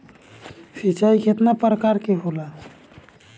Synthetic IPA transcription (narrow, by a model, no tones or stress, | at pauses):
sit͡ʃaikʰet̪napɾəkaɾkeɦola